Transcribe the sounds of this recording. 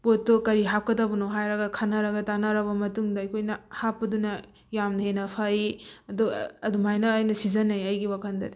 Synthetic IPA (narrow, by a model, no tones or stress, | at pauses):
potːokɐɾiɦap̚kɐtabɐnowɦajɾɐɡɐkʰanɐɾɐɡɐtanɐɾɐβɐmɐtuŋdɐɐkʰojnɐhapːɐdunɐ | jamdɐhenɐpʰaiɐdɔɐdumajnɐːjnɐsizɐnːɐjɐjɡiwakʰɐndɐd